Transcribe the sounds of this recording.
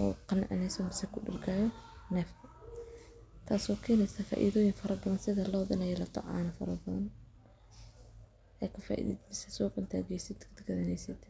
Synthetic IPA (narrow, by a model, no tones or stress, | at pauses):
ʔɔ̰ːqɑnɐ̰ʕnɛsɐmɪsɛkʰʊɖɪ̰rɡʰaːjɔ | nɛːfkʰɐ | t̪ʰaːsɔːkʰɛːnɛsɐfa̰ːʔḭðɔːjɪŋfɐɾɐbɐðɐnsɪðɐlɔːðɐnɐjɛlɐt̪ʰɐ̰ʕa̰ːnɐfɐ̰ɾɐbɐðɐn | ʔɛkʰɐfa̰ːʔḭðḭd̪mɪsɛsɔːqʊnt̪ʰa̰ːɡɛjsɪd̪d̪ɡɐðɐnɛjsɪd̪